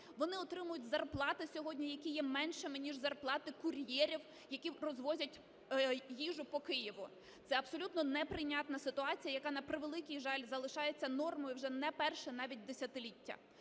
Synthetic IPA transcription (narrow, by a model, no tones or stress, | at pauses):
ʋɔnɪɔt̪ɾɪmʊjʊtʲzɐrplˠɑt̪ɪsʲɔɦɔdʲnʲijɐkʲijɛmɛnʃɪmɪnʲiʒzɐrplˠɑt̪ɪkʊrʲjɛɾʲiw | jɐkʲirɔzʋɔzʲɐtʲ | jiʒʊpɔkɪjɪʋʊ | t̪ɛɐbsɔlʲut̪nɔnɛpɾɪjnʲat̪nɐsɪt̪ʊɑt͡sʲijɐjɐkɑnɐpɾɪʋelˠɪkʲijʒɑlʲzɐlˠɪʃɑjet͡sʲːɐnɔrmɔjʊwʒɛnɛpɛrʃɛnɑʋʲit̚ʲd̪esʲɐt̪ɪlʲitʲːɐ̰